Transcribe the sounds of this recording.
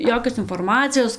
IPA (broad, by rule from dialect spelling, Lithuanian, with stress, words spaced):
ˈjoːkʲoːs ɪnfoːrˈmɑːt͡sʲɪjoːs